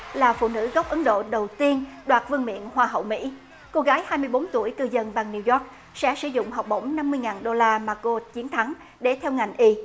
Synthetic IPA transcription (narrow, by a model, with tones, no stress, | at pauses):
laː˨˩fṵ˧˨nɨ̰˧˥ɣɔ˦˥wp̚ʔə˨˦nɗo̰˧˨ɗə˨˩wt̪i˧ənɗwaː˨˩t̚vɨ˧əŋmḭ˧˨ənhwaː˧ɦə̰˧˨wmḭ˧˥ | ko˧ɣaː˨˦jhaː˧jmɨ˧əjɓo˨˦nt̪u˧˩əjkɨ˧zə˧nɓa˨˩ŋni˧wzɔ˦˥k̚ | sɛ̰˧˥sɨ̰˧˩˦zʊ̰˧˨ŋ͡mɦa˨˩wk͡p̚ɓə˧˩wŋ͡mna˧mːɨ˧əjŋaː˨˩nɗo˧laː˧maː˨˩ko˧t̚t͡ɕi˨˦ənt̪ʰa˨˦ŋ | ɗe˧˩t̪ʰɛ˧wŋa˨˩jŋ̟ʔi˧